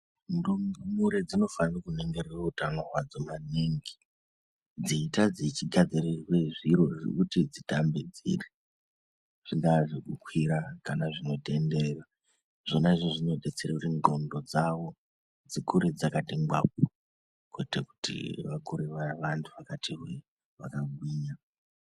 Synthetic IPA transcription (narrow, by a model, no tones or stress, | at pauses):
ndumɡumuɾed͡zino̞fanirakune̞ŋɡererautanorwad͡zomaneŋɡi | d͡ziːtad͡zit͡ʃiɡʱad͡zirirweʐiɾo̞ʐḭkutid͡zitambed͡zḭri | ʐ̥iŋɡaʐikukwiɾakanaʐino̞te̞nderera | ʐ̥onaʐiʐino̞ɗet͡sereriŋɡo̞ndo̞d͡zaʋo̞ | d͡zikuɾed͡zakatiŋɡwa̰p̚o | kweteku̥tḭʋakuɾeʋaʋantʰuʋakatʰiɦwe | ʋa̰kaɡʱwiːɲa